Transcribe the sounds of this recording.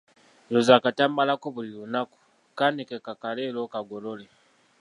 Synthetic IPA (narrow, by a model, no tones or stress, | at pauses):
lozakatambalakoβulilunako̥ | kanikɛkakalɛlɔkaɡɔlɔlɛ